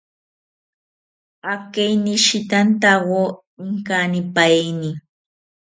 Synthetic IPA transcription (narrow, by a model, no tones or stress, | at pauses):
akejnɪʃɪt̪ant̪awo | ɪŋkanɪpajejnɪ